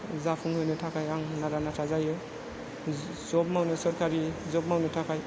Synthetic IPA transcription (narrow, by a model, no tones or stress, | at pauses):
zapʰuŋhɯjnɯtʰakʰajaŋnaɾanatʰazajɯ | zɔp̚mawnɯsɔɾkʰaɾizɔp̚mawnɯtʰakʰaj